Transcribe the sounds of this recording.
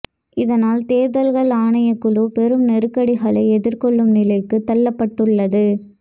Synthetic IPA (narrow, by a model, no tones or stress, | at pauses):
ɪðɐnaːlt̪eːðɐlɣɐɭaːɳɐjɐkːɯɭupɛɾɯmnɛɾɯkːɐɽɪɣɐɭɐɪɛðɪɾkɔɭːɯmnɪlɐɪkːɯt̪ːɐlːɐpːɐʈːɯɭːɐðɯ